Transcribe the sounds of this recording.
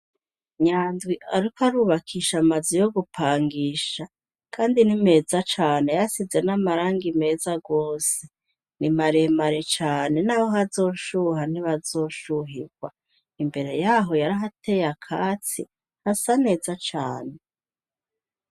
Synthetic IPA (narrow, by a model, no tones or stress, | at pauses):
ɲaːndwiʔaɾikoaɾuːβakʰiːʃamazijo̞ɡupʰaːŋɡiːʃa | kʰaːndinime̞ːzat͡ʃaːne̞jasize̞namaɾaːŋɡime̞ːzaɡo̞ːse | nimaɾemaɾet͡ʃaːne̞naho̞ɦazo̞ːʃuɦaniβazo̞ːʃuɦiɡwa | imbe̞ɾe̞jaːɦo̞jaɾaɦatʰe̞jakʰaːt͡sḭ | hasane̞ːzat͡ʃaːne